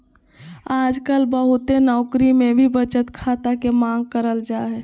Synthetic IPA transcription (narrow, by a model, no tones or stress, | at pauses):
aːd͡ʒkəlbəɦʊt̪enɔːkɾimẽbʱibət͡ʃət̪kʰat̪akemãːŋɡ̚kəɾəld͡ʒaːɦɛː